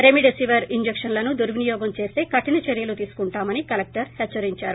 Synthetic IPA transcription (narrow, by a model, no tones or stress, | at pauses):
ɾemiɖesiʋɐɾiɲd͡ʒekʂɐnlɐnud̪uɾʋinijɔːɡɐmt͡ʃe̞ːst̪e̞ːkɐʈinɐt͡ʃeɾjɐlut̪iːsu̥kuɳʈaːmɐnikɐlek̚ʈɐɾhɛt͡ʃːɐɾiɲt͡ʃaːɾu